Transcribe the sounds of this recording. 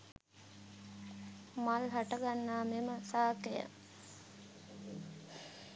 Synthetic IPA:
malɦaʈəɡanːaːmeməsaːkejə̰

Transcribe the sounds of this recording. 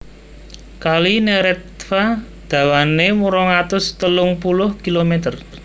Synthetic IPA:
kalineɾɛt̪fa | d̪̥ä̤wanemuɾɔŋat̪ʊst̪əlʊŋpulʊhkilomet̪ər

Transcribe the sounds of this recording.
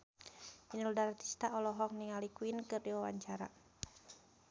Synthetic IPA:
inuldaɾat̪i̥st̪aʔɔlɔɦɔk̚niŋalikuinkɨrdiwawa̰ɲt͡ʃaɾa̰

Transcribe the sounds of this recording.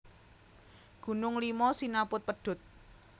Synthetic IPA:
ɡ̥ṳnʊŋlimɔsinapʊt̪̚pəɖ̥ʊ̤t̪̚

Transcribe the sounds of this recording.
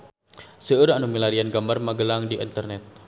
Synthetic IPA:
səəɾanumilaɾianɡambarmaɡəlaŋdiʔḭnt̪ərnɛt̪̚

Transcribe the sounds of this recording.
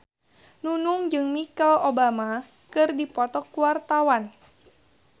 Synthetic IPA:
nunuŋd͡ʒɨŋmikalobama | kɨrdipɔt̪ɔkuwart̪awan

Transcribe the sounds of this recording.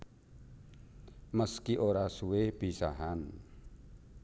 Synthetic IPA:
məskiʔoɾasuweb̥i̤saɦan

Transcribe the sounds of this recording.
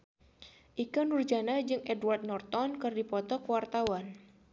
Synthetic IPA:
ʔikanurd͡ʒanad͡ʒɨŋʔɛdwart̪̚nɔrt̪ɔnkɨrdipɔt̪ɔkwart̪awan

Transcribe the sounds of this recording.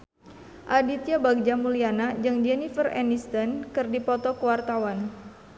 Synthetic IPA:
ʔadit̪ijabaɡ̚d͡ʒamulianad͡ʒɨŋd͡ʒɛnifərɛ̰nist̪ɔnkɨrdipɔt̪ɔkəwart̪awan

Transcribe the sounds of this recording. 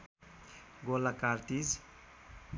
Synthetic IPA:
ɡolakaɾt̪id͡ʒ

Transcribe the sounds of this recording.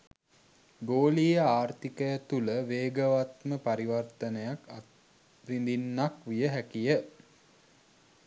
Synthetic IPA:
ɡoːlijəaːrt̪ikəjət̪uləʋeːɡəʋat̪məpaɾiʋart̪ənəjakat̪ | rind̪inːakʋijəɦækijə

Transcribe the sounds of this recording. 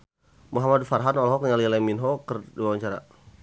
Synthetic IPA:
muɦamadfarɦanɔlɦɔkɲalilaminɦɔkərdiwawaɲt͡ʃaɾa̰

